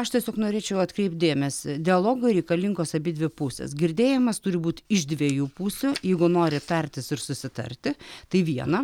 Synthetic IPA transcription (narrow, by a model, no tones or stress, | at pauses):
ɐʃt̪ʲiɛsʲoːknoːɾʲeːt͡ʃʲɛʊɐt̪kɾʲɛɪp̚t̪̚d̪ʲeːmʲɛsʲɪd̪ʲɪɐlˠoːɡʊɾʲɛɪkɐlʲɪŋɡoːsɐbʲɪd̪ʲʋʲɪpusʲɛ̰ːsɡʲɪɾʲd̪ʲeːjɪmɐst̪ʊɾʲɪbuːt̪ɪʒd̪ʲʋʲiɛjuːpuːsʲʊjɛɪɡʊnoːɾʲɪt̪ɐɾʲt̪ʲɪsɪrsʊsʲɪt̪ɐ̰ɾʲt̪ʲɪt̪ɐɪʋʲiɛnɐ